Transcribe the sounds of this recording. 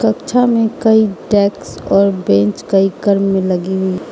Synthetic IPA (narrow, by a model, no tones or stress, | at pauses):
kəkt͡ʃʰamẽkəiʈɛːksɔːɾbẽnt͡ʃkəiɡəɾmːẽləɡiɦui